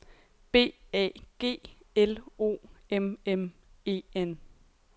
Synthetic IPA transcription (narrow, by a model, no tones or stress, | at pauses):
b̥e̝̰ːɛ̰ːɡ̥e̝̰ːelo̝̰ːememe̝̰en